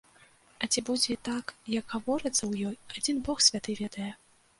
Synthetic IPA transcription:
ɐt͡sʲibud͡zʲit̪akjɐɡɣavɔɾɨt̪sːɐwjɔjad͡zʲinbɔxsʲvʲat̪ɨvʲɛd̪ɐjɛ

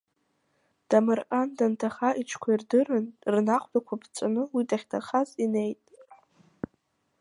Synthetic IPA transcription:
d̥amarqʼandantʰaχaʔit͡ʃʰkʷʰairdɨrɨnrnaχʷbakʷʰapʰt͡sʷʼanɨwidaχʲtʰaχazine̞jtʼ

